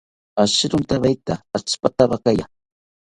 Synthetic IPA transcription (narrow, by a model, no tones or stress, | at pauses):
aʃɪɾʊnt̪aβajt̪aːt͡spat̪aɢakaja̰ŋ